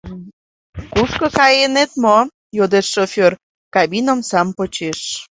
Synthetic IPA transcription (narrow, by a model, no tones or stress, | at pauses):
kuʃkokɑjenet̪mo | jod̪eʃːofʲør | kɑbinəmsɑmpot͡ɕeʃ